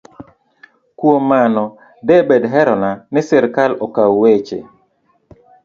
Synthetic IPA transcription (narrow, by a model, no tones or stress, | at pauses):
kwomːanɔ | dɛbedɦɛɾɔnanɪsɪɾkalɔkawet͡ʃḛ